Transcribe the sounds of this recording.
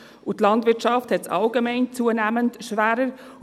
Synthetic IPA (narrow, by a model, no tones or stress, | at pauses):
ʔʊtlɑndvɪt͡ʃɑfthɛtsɑ̰lɡemɛɪnt͡suənæːməntʃvæːɾə